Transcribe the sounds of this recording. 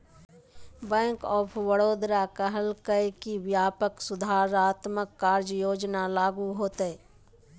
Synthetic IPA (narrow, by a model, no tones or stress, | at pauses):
bɛ̃ːŋkɔːpʰʋəɽoːd̪ɾakəɦəlkəjkiʋjaːpəksʊd̪ʱaːɾaːt̪məkːaːɾd͡ʒjoːd͡ʒnalaːɡuɦoːt̪eɛː